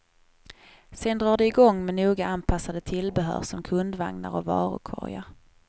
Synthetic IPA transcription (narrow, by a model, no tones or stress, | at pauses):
sɛnd̪ɾɑːɖɛɪɡɔŋːmɛnuːɡaanpʰasːad̪ət̪ʰɪlbɛɦœ̰ːɾsɔmkʰɵnd̪va̰ŋna̰ɾɔvɑ̰ːɾʊ̰kʰɔ̰ɾja